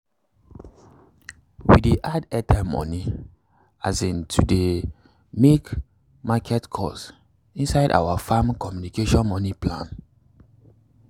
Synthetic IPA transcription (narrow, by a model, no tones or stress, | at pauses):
wḭdeʔadɛtɛmɔ̰ni | azĩntʰude | mek | makʰɛtkʰɔ̰s | ĩnsaɪda̰wafãmkɔmjunikeʃɔ̃nmɔniplã̰n